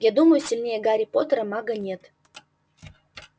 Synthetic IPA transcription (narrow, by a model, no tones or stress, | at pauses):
ɡʲed̪uməjusʲilʲnʲejeɡaɾʲipot̪əɾəmɑɡənʲet̪